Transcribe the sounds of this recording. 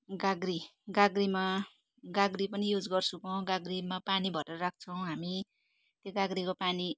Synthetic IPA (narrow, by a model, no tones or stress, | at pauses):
ɡaɡɾiɡaɡɾima | ɡaɡripʌnijud͡zɡʌrt͡sʰukʌɡaɡrimapanibʱʌʈʌɾʌɾak̚ʰt͡sʰʌw̃ɦami | t̪joɡaɡɾikopani